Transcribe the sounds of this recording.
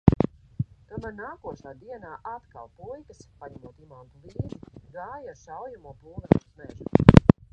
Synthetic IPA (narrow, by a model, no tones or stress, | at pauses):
t̪uɔmæɾnaːkuɔʃaːd̪iɛnaːʔat̪ka̰lˠpujkəspaɲɛmuɔt̪imant̪uliːd̪iɡaːjaʃawjamuɔpulˠɡɾa̰t̪u̥smeʒu